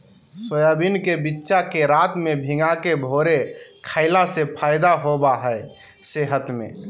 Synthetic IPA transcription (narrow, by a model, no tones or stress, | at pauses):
sojabinkebitːʃakeɾaːt̪mẽbʱɪŋɡakebʱoːɾekʰaɪlasepʰaːɪd̪aɦobaɦɛe | seɦət̪mḛ̃